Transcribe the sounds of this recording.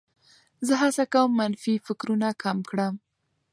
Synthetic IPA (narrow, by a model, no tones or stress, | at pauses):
zəɦasakawəmːanfifɪkɾunakamkɽəm